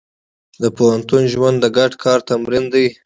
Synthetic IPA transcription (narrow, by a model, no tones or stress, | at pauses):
d̪əpohant̪unʒwand̪ːəɡaɖkʰɑɾt̪amɾind̪aj